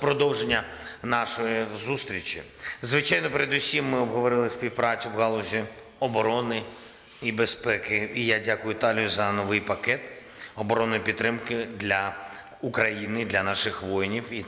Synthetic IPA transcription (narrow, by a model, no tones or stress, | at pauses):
pɾɔd̪ɔwʒenʲːɐnɑʃɔjizust̪ɾʲit͡ʃʲḭ | zʋɪt͡ʃɑjnɔpeɾed̪ʊsʲimːɪɔbɦɔʋɔɾɪlˠɪspʲiwpɾɑt͡sʲʊbɣɑlˠʊzʲi | ɔbɔɾɔnɪ | ibespɛkɪijadʲakʊjʊt̪ɑlʲijʊzɐnɔʋɪjpɐkɛt̪ | ɔbɔɾɔnʊjipʲid̪t̪ːɾɪmkɪd̪lʲɐ | ukɾɐjinɪd̪lʲɐnɑʃɪxʋɔjnʲiwi